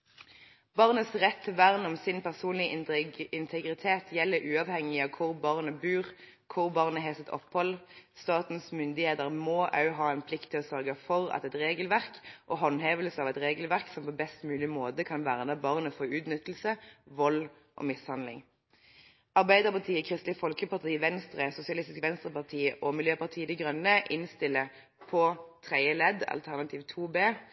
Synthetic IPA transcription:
b̥ɑʁnəsʁɛt̪ʰːɛʋæʁnɔmsɪnpʰæʁsuːnlɪəɪnt̪ʰɛɡʁɪt̪ʰeːt̪ʰjɛlːəɾʔʉːɑʋhɛŋɪɑkʰʊʁbɑʁnəbʉːʁ | kʰʊʁbɑʁnəɦɛːsət̪ɔ̰phɔlst̪ɑːt̪n̩smʏnd̪ɪheːd̪əʁmoːʔɑ̰ʉɦɑːɛnpʰlɪkt̪ʰːɪlɔsœʁɡəfɔʁɑ̰t̪ɛt̪ʁeːɡəlʋæʁkʔɔɦɔnɦeːʋəlsəɑʋɛt̪ʁeːɡəlʋæʁksɔmpɔbɛst̪mʉːlɪmoːd̪əkʰɑnʋæːʁnəbɑʁnəfɔʁʉːt̪nʏt̪lsəʋɔl | ʔɔ̰mɪshɑnd̪lɪ̰ŋ | ɑʁbæɪd̪əʁpɑʁt̪ʰiːəkʰʁɪst̪lɪfɔlkəpɑʁt̪ʰiːʋɛnst̪ʁəsʊsɪɑlɪst̪ɪskʋɛnst̪ʁəpɑʁt̪ʰiːʔɔmɪljøːpɑʁt̪ʰiːəd̪ɪɡʁœnːəʔɪnst̪ɪlːə | pʰɔt̪ʰʁæɪəlɛd̪ɑ̰lt̪ʰæʁnɑt̪ʰiːʋt̪ʰuːbeː

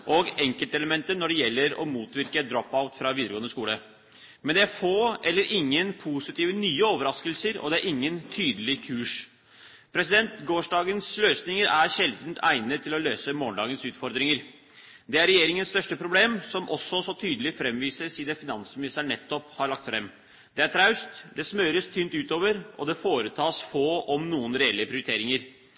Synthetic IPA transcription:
ʔɔɡɛŋkəlt̪əɛləmɛnt̪ənɔɖɛjɛlːəɾɔ̰muːt̪ʋɪɾkəd̪ɾɔpːaʊt̪fɾɑʋiːd̪əɾəɡoːənəskuːlə | mɛnd̪ɛæɾfoːʔɛlːəɾʔɪŋːənpʰusɪt̪iːʋənyːəoːʋəɾɑskəlsəɾɔ̰d̪ɛæɾʔɪŋːənt̪ʰyːd̪əlɪkʰʉːʂ | pʰɾɛsɪd̪ɛnt̪ɡoːʂɖɑːɡənsløːsnɪŋəɾæɾɕɛld̪nt̪ʰæ̰ɪnət̪ʰɪlɔløːsəmoːɳɖɑ̰ːɡənsʉːt̪fɔɾd̪ɾɪŋəɾ | d̪ɛæɾɛjeːɾɪŋənst̪œʂʈəpʰɾʊbleːmsɔmʔɔsːɔsɔt̪ʰyːd̪əlɪfɾɛmʋiːsəsiːd̪ɛfɪnɑnsmɪnɪst̪əɳɛt̪ːɔphɑɾɭɑk̚t̪fɾɛmː | d̪̥ɛæʈ̪ʰɾɑʉst̪d̪ɛsmøːɾəst̪ʰyːnt̪ʉːt̪oːʋəɾʔɔd̪ɛfoːɾət̪ʰɑːsfoːʔɔmnuːənɾɛɛlːəpʰɾɪʊɾɪt̪ʰeːɾɪŋəɾ

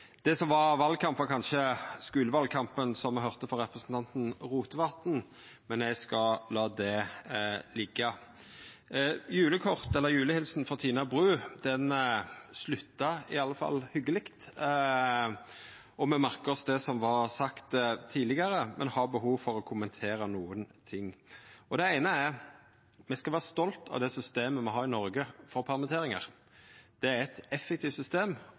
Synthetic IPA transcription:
d̪̥ɛsɔmʋɑʋɑlkʰɑmpʋɑkʰɑnʃəskʉːləʋɑlkʰɑmpənsɔmɛɦœʁt̪əfɔɾɛpɾəsn̩t̪ʰɑnt̪n̩ʁuːt̪əʋɑt̪n̩ | mɛnɛɪskɑlɑːd̪ɛ | lɪɡːɑ | jʉːləkʰɔʁt̪ɛlːəjʉːləhɪlsnfɔt̪ʰiːnɑbʁʉːd̪̥ɛnslʉt̪ːɑɪɑlːəfɑ̰lːhʏɡːəlɪkt̪ | ɔmɛmæɾkəɔsd̪ɛsɔmʋɑɾsɑkt̪t̪ʰiːlɪɡɑɾəmɛ̰nhɑbəɦuːʋfɔɾɔkʰʊmənt̪ʰeːɾənuːənt̪ʰɪŋːɔd̪ɛæɪnəæɾ | mɛskɑʋæːʁst̪ɔlt̪ʰɑ̰ʋd̪ɛsʏst̪eːməmɛɦɑːɾɪnɔɾɡəfɔɾpʰɑʁmət̪ʰeːɾɪŋɑ̰ʁ | d̪̥ɛæɾɛt̪ɛfːɛkt̪iːft̪sʏst̪eːm

